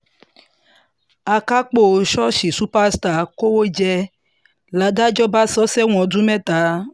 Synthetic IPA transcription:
a˨ka˦k͡po˦˨ʃɔ˦ʃi˨su˦pa˦st̪a˨ko˦wo˦d͡ʒɛ˦ | la˨˦da˦d͡ʒɔ˦ba˦sɔ˦sɛ˦w̃ɔ̃˨du˦mɛ̃˦t̪a˨˦

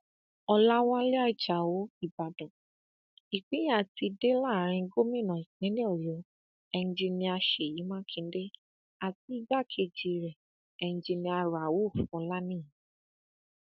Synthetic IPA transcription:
ɔ˧la˦wã˦le˦a˦i˨d͡ʒa˨wo˨˦i˦˨ba˨dɔ̃˨ | i˨k͡pĩ˨˦a˦˨ti˧de˦la˦˨ɾ̃ĩ˧˦ɡo˦mĩ˦˨nã˨i˨kĩ˨˦ĩ˦ɔ˦˨jɔ˨˦ | ɛ˧nũ˧d͡ʒi˧nĩ˧a˧ʃe˨ji˨˦mã˦kʰĩ˧n̩˦de˦ | a˨ti˨˦i˦ba˦˨kʰe˧d͡ʒi˧ɾɛ˨ | ɛ˧ñ̩˧d͡ʒi˧nĩ˧a˧ɾa˨wo˦˨fũ˧˦la˦nĩ˦˨ĩ˨˦

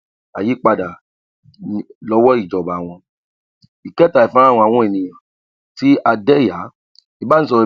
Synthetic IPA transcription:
a̰˨ji˨˦k͡pa˧da˨ | lɔ˦wɔ˦i˦˨d͡ʒɔ˨ba˨w̃ɔ̃˧ | i˨kɛ˦ta˨i˨fã˦ã˦˨w̃ɔ̃˧a˨w̃ɔ̃˧˦e˦˨nĩ˨j̃ã˨ | ti˦a˧dɛ˦˨ja˨˦ | i˧˦ba˦ñ̩˦s̬ɔ˧ɾi˧

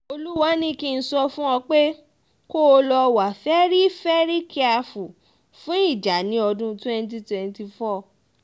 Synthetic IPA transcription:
o˧lu˦wa˦nĩ˦ki˧n̩˧sɔ˧fũ˦ɔ˧k͡pe˦ | ko˦˧lɔ˧wa˨fɛ˦ɾi˦fɛ˦ɾi˦kʰi˦a˧fu˨ | fũ˦i˦˨d͡ʒa˨˦nĩ˨˦ɔ˧dũ˦tɛ̃˦n˦t̬i˦twɛ̃˨˧nti˧fɔ˦˨

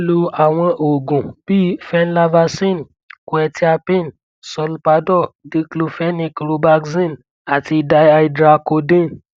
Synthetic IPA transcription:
lu˧˦a˨w̃ɔ̃˧ʔo˨ɡũ˨b̥i˦fɛ˦n˦la˧va˧sĩ˦˨n | kwɛ˧˨ti˦a˧pĩ˦˨n | sɔ˧lpa˧˦dɔ˦˨di˧˦klo˧fɛ˦nĩ˧kɾo˧ba˧kzĩ˦˨n | a˨ti˧da˧ja˧i˧dɾa˧ko˧dĩ˦˨n

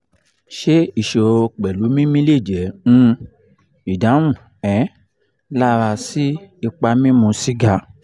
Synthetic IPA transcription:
ʃe˦i˦˨ʃo˨o˧k͡pɛ˨lu˨˦mĩ˦mĩ˦le˦˨d͡ʒɛ˨˦ũ˧˦ | i˨da˨˦w̃ũ˦˨ | ɛ˨˦ | la˦˧ɾa˧si˦i˧k͡pa˧mĩ˦mũ˧si˦ɡa˧

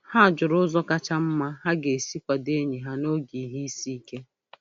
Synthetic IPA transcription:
ha˦a˨d͡ʒʊ˨ɾʊ˦zɔ˦ka˦t͡ʃa˦m̩˦ma˦ɦa˦ɡe˨si˦kʷa˨de˦ɲi˨ɦa˦no˦ɡi˨ɦi˦i˦si˦ke˦

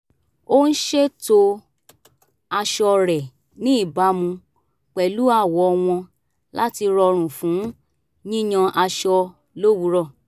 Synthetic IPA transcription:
o˦n̩˦ʃe˦to˧ | a˧ʃɔ˧ɾɛ˨ | nĩ˦i˦˨ba˨˦mũ˧ | k͡pɛ˨lu˦a˦˨wɔ˨ɔ˧w̃ɔ̃˧ | la̰˦ti˧ɾɔ˧ɾ̃ũ˨fũ˨˦ | nĩ˦j̃ɔ̃˧ʔa˧ʃɔ˧ | lo˦wu˧˦ɾɔ˦˨

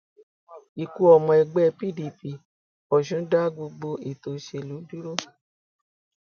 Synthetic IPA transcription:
i˨ku˧ɔ˨mɔ̃˧ɛ˧ɡ͡bɛ˦˧pi˦˨di˨˧pi˧˨ | ɔ˨ʃũ˨˦da˦ɡo˧ɡ͡bo˧i˨to˧˦ʃe˧˨lu˨˦du˦ɾo˦

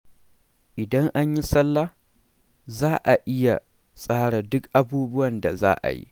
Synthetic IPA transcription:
ʔɪ˨dɐ˦ŋʔa˦ɲji˦sɐ˦lːa˦ | zaː˦ʔa˨ʔɪ˦ja˨ | sʼaː˦ɽa˨dʊ˦kʔa˦buː˦bʊ˦wɐ˨nda̰˨za̰ː˦ʔa̰˨jḭ˦

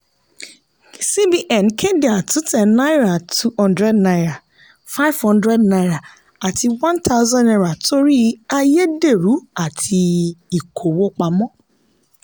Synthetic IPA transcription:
si˦bi˨ʔɛ̃˨nkʰɛ̃˦dɪ˨a˨tu˦tʰɛ̃˨nːa˦ɪ˦ɾa˨tʰu˦hɔ̃˦ndɾɛ˦dna˦ɾa˨ | fa˦ɪ˦vhɔ̃˦ndɾɛ˦dna˦jɾa˨ | a˨tʰɪ˨wã˦ntʰa˦ʊ˦zɔ̃˦nɛ˦ɾa˨to˦ɾi˦a˨je˦de˨ɾu˨˦a˨tʰɪ˨i˨kʰo˨wo˦k͡pa˨mɔ̃˦

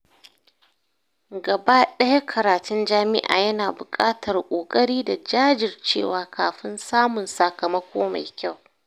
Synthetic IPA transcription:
ɡɐ˨ba˦ɗɐ˦ja˦kʰɐ˨ɾaː˨tʊ˦nd͡ʒaː˦mɪ˦ʔa̰ː˨jɐ˦naː˨bʊ˨kʼaː˦tʰɐ˨rkʷʼoː˨kʼɐ˦ɽiː˦da˨d͡ʒaː˦d͡ʒɪ˨rt͡ʃḛː˦˨waː˨kaː˨ɸɪ˦nsaː˦mʊ˨nsɐ˨kɐ˨mɐ˦kʷʰoː˦ma̰˨jkʲa˦˨w

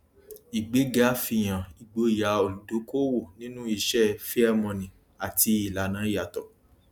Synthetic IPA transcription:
i˨ɡ͡be˨˦ɡa˨˦fi˧j̃ã˨i˨ɡ͡bo˧i˨ja˨˦o˨lu˨do˨˦ko˦wo˦˨nĩ˦nũ˦i˦˧ʃɛ˦fi˦a˦mɔ̃˧nĩ˨ | a˨ti˧˦i˨la˨˦nã˨˦i˦a˨tɔ˨

